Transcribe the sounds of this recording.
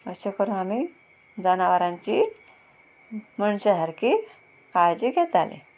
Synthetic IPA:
əɕakəɾunamiː | d͡zanaʋəɾãɲt͡ɕi | məɳɕəɦəɾkiː | kajd͡ʑiket̪alḭ

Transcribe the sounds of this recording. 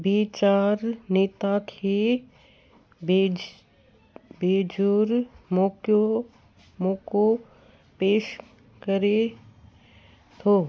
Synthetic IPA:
biːt͡ʃaːɾneːt̪akʰe | beːd͡ʒoɾmoko | moːko | peːʃ | kəɾe | t̪ʰoː

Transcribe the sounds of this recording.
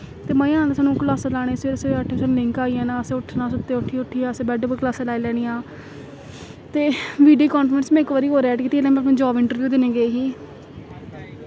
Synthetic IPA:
t̪eːmə̃iãːt̪saːnũːkəlaːsaːlaːɽ̃eːseːɾəseəʈʰːeːsaːñːlɪŋkaːiːɛ̃ːnãːəsẽːʊʈʰːnãːsʊt̪ːeːʊʈʰiʊʈʰːiːãːsẽːbɛːɖəbəklaːsãːlaːiːlɛːɽ̃iːãː | t̪eːʋiːɖiːkɔːnfɾənsmɛ̃ːɪkʋəːɾiːɦoːɾɛːʈkiːt̪iːlɛ̃ːmɛ̃əp̬nẽːd͡ʒɔːʋɪɳʈəɾʋjuːd̪eːnẽːɡeeːɦiː

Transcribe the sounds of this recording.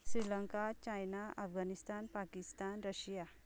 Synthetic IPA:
sɾiləŋkat͡ɕajnaʔəfɡʱanist̪anpakist̪anɾəɕja

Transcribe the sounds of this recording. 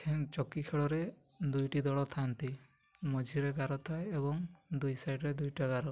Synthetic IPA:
kʰeŋt͡ʃɔkikʰeɭɔɾe | d̪ujʈid̪ɔɭɔt̪ʰant̪i | mɔd͡ʒʱiɾeɡaɾɔt̪ʰaeebɔŋd̪ujsajɖɾed̪ujʈaɡaɾɔ

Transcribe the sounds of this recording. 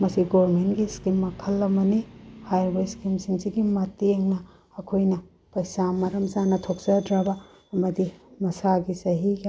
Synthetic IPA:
mɐsiɡoɾmentɡiskimːɐkʰɐlːɐmːɐnihajɾbeskimsiŋsiɡimɐtːeŋnɐ | ɐkʰojnɐ | pɐjsamɐɾɐmzanɐtʰok̚sɐdɾabɐ | ɐmɐdimɐsaɡisɐɦiɡa

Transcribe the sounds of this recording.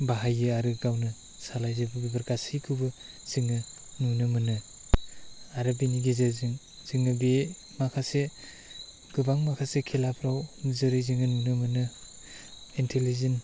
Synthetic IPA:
baɦajɯaɾɯɡawnɯ | salajzɯbɯbibɐɾkasijkʰɯbɯ | z̥iŋɯ | nunɯmɯnɯ | aɾɯbiniɡizɯzɯŋ | zɯŋɯbe | makʰase | ɡ̥ɯbaŋmakʰasekʰelapʰɾawzɯɾɯjziŋɯnunɯmɯnɯ | intʰelizen

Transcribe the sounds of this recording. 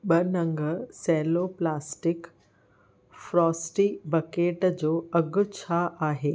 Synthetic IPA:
ɓɐnɐ̃ŋɡəsɛːloːplaːsʈɪk | fɾɔːsʈibɐkeːʈd͡ʑoːɐɡʊt͡ɕʰaʔaːɦeː

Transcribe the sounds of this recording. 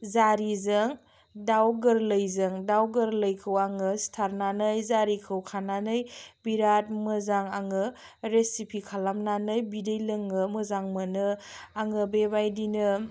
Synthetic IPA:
zaɾizɯŋ | dawɡɯɾləjzɯŋdawɡɯɾləjkʰɯwaŋɯstʰaɾnanɯjzaɾikʰɯwkʰananɯjbiɾat̚mɯzaŋaŋɯ | ɾesipʰikʰalamnanɯjbidejlɯŋɯməzaŋmɯnɯaŋɯbebajdinɯ

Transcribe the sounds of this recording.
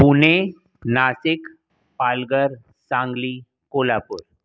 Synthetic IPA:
pune | naːsɪk | paːlɡəɾ | sãːŋɡliː | koːlapʊɾ

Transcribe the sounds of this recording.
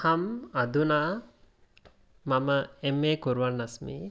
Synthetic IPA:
hɐmɐd̪unaː | mɐməemːeːkuɾuʋanːasmḭː

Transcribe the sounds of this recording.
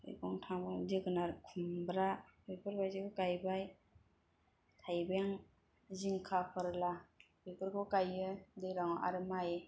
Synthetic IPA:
ɯ̰jkʰɔŋtʰaŋbɯdɯɡɯnaɾkʰumbɾabepʰɯɾbajzikɯkajbaj | tʰajbeŋ | ziŋkʰapʰɯɾla | bepʰɯɾkʰɔkajɯdejɾaŋɔʔa̰ɾɯmaje

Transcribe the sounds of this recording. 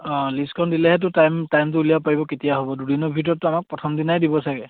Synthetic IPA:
ɔliskʰɔndilɛɦɛt̬ʊtajmtajmtʊulijapaɹibɔketijaɦobɔdudinɔbʱitɔɹɔtːuamak̚pɹɔtʰɔmdinajdibɔsaɡɛ

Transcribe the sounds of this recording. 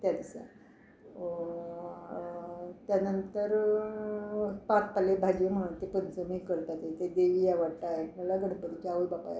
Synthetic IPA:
t̪jad̪isa̰ | t̪janənt̪əɾ | pat̚palebʱad͡ʑem̤əɽ̃unt̪epənt͡səmikəɭt̪at̪et̪ed̪eʋijaʋəɽʈ̪aeməlaɡəɽ̤pət̪it͡ɕaujbapa̰j̰

